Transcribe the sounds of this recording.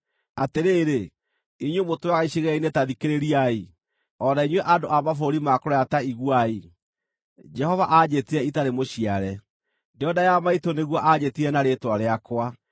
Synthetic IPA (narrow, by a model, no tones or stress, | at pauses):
ateɾeːɾe | iɲwemotwaɣaiɕiɣɛainetaðikeɾeɾiai | ɔnaiɲwɛʔadoʔamafoɾimakɔɾɔjataiɣwai | d͡ʒɛhɔvaʔad͡ʑetiɛitaɾemoɕiaɾɛ | deɔdajamaitoneɣwɔʔad͡ʑetiɾɛnaɾetwaɾeakwa